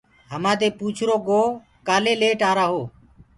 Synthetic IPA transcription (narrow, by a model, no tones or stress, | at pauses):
ɦəmãːt̪eːpuːt͡ʃʰɾoːɡoː | kaːleːleːʈaːɾaːɦoː